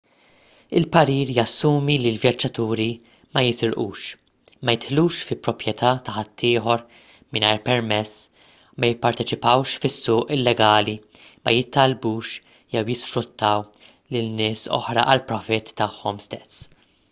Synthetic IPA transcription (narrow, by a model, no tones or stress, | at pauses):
ɪlpɐɾiːɾjɐsːuːmilɪlvjɐd͡ʒːɐt̪uːɾi | mɐjɪsɪɾʔṵːʃ | mɐjɪt̪ħluːʃfɪpːɾɔpɾjɛt̪ʰɐːt̪ɐħɐt̪ːɪːħɔɾ | mɪnɐjɾpɛɾmɛsː | mɐjɪpːɐɾt̪ɛt͡ʃɪpɐwʃfɪsːʊːʔɪlːɛɡɐːli | mɐjɪt̪ːɐlbuːʃ | jɛwjɪsfɾʊt̪ʰːɐw | lɪlnɪːsɔ̰ħɾɐ̰ʔɐlpɾɔfɪt̪ːɐħːɔmst̪ɛs